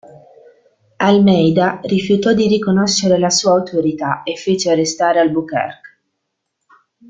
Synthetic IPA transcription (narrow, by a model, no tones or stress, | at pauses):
almɛjd̪arifjut̪ɔd̪iɾikonoʃːeɾelasuːaːut̪oɾit̪aefːeːt͡ʃearːest̪aːɾealbukɛ̰rk